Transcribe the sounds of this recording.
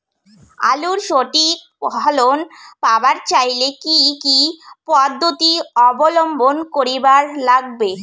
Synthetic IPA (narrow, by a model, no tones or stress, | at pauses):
a̰luɾʃoʈik | bʱɔlonpabaɾt͡ɕajlekikipɔd̪ʱːot̪iɔbolombʱonkoɾibaɾlaɡ̚be